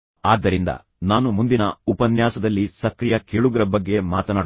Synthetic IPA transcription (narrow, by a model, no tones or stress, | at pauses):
aːd̪ːɐɾind̪ɐ̰ | naːnumund̪inɐupɐnjaːsɐd̪ɐlːisɐkɾijɐkeːɭuɡɐɾɐbɐɡːe̞maːt̪ɐnaːɽ